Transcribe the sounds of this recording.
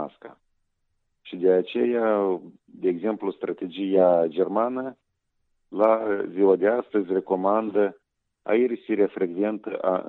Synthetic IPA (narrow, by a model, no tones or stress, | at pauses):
a̰ska̰ | ʃid̪eat͡ʃe̞ja | d̪e̞ːɡze̞mplust̪ɾʔat̪e̞d͡ʒijad͡ʒe̞rmanə | laziwad̪e̞ast̪əzʲre̞ko̞mand̪ə | a̰ersiɾeafɾe̞ɡve̞nt̪ə̰ʔa̰